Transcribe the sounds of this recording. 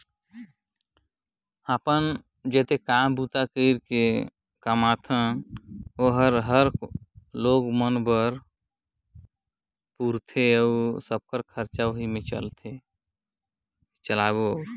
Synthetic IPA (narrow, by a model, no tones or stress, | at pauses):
apən | d͡ʒɛt̪ekambut̪akəɪɾke | kəmat̪ʰə | oɦəɾɦəɾloɡmənbəɾ | puɾt̪ʰeəusəb̚kəɾkʰəɾt͡ʃaoɦimẽt͡ʃə̰lt̪ʰe | t͡ʃəlaboəːɾ